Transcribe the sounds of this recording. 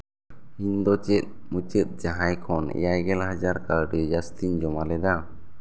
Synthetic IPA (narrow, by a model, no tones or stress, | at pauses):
ind̪ɔt͡ʃɛt̪̚mut͡ʃət̪̚ˀd͡ʒaɦajkʰɔnɛ̰jajɡɛlhad͡ʒaɾkaɾɖɛd͡ʒast̪iɲd͡ʒɔmalɛd̪a